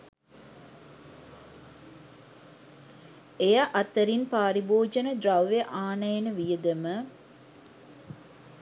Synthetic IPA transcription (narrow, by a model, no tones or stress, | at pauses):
ejaʔɐt̪əɾinpaːɾiboːd͡ʒənəd̪ɾaʋːeʔaːnɐjenəʋijəd̪əmə